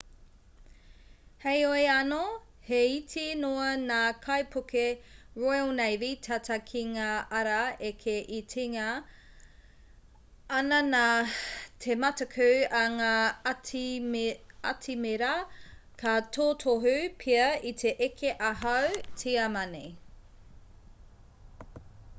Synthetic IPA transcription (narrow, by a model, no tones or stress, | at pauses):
hejoeɐno | heitʰinoɐnaːkʰɐjpʰukeɹojlnejvitʰɐtʰɐkʰiŋaɐɾɐekʰeʔitʰiŋɐ | ɐnɐna | tʰemɐtɐkʰʉwɐŋa | ɐtʰimeɾɐkʰatʰoːtʰoɦʉpʰiɐitʰeʔekʰeʔɐɦɐwtʰiɐmɐnḛj